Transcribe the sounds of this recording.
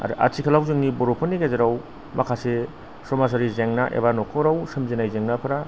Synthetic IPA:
a̰ɾɯ̰ʔa̰t͡ʃʰikʰɐlawzɯŋniboɾopʰɯnːiɡezeɾaw | mɐkʰase | somas̬aɾizeŋnaʔḛbanokʰoɾawsɯmzinajzeŋnapʰɐɾa

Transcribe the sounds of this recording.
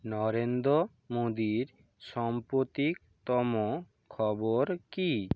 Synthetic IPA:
nɔɾend̪ɾo | mod̪iɾ | ʃɔmpɾot̪ik | t̪ɔmo | kʰɔboɾki

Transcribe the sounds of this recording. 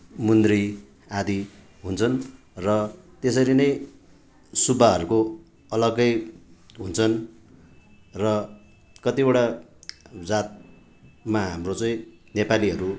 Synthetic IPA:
mund̪ri | ad̪i | ɦunt͡sʰʌn | rʌt̪esʌɾinʌj | subʱaɦʌɾuko | ʌlʌɡʌj | ɦunt͡sʰʌn | rʌ | kʌt̪ibʌɽa | d͡zat̪̚ | maɦa̰mrot͡sʌĩ | nepaliɦʌɾu

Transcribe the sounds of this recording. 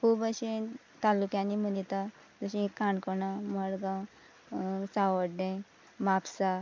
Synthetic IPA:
pubəɕe | t̪alukjãnim̤ənit̪a | d͡zəɕĩkːaɳkənaməɾɡã | saʋəɽɖẽ | mapsa

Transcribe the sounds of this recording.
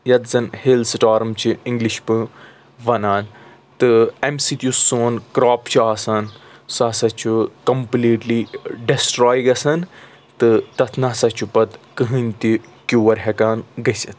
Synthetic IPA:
jɐd̪zɐnhilsʈaːɾmt͡ʃʰiĩŋɡliʃpɨ | ʋɐnaːn | t̪ɨemsit̪ʲjuoːnkɾaːpt͡ʃʰuaːsansaːsɐt͡ʃʰukɐmpliːʈliɖisʈɾaːjɡɐsɐn | t̪ɨt̪ɐt̪ʰnaːsɐt͡ʃʰupɐt̪kɨɦɨnʲt̪ikʲjuːʋɐɾɦekaːnɡɐsɐt̪̚ʰ

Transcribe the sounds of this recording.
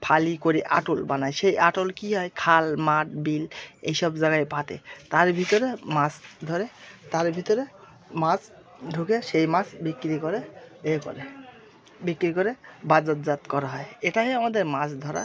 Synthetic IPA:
pʰalikoɾiʔa̰ʈolbanajʃejaʈolkiɦɔjkʰalmaʈ̚bilḛjʃɔbzaɡajpat̪ḛt̪aɾbʱit̪ɔɾemasd̪ʱɔɾet̪aɾbʱit̪ɔɾe | mas | ɖʱukeʃejmasbikːɾikɔɾeekɔ̰ɾe | bikɾikɔɾebad͡zɔt̪̚zat̪kɔɾaɦɔeeʈaɦɛamad̪eɾmasd̪ʱɔɾa̰

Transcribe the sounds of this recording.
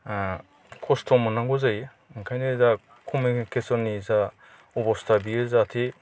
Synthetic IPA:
kʰɔstʰɔmɔnaŋɡɔzaj | ŋkʰajneza | kʰumikʰesɔnːiza | ɔbɔstʰabiezatʰi

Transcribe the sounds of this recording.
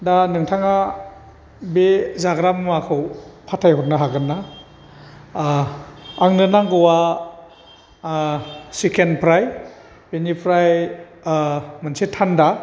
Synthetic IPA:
danɯŋtʰaŋa | bezaɡɾammakʰɯwpʰatʰajhɔt̚naɦaɡɯnːa | ŋnɯnaŋɡɯwa | sikʰenpʰɾaj | benipʰɾaj | mansitʰːanda

